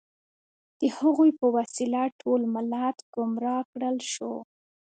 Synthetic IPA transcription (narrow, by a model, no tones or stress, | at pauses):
d̪̥əhaɣujpəwasilaʈʰolmalat̪ɡ̥ʊmɾɑkɽəlʃo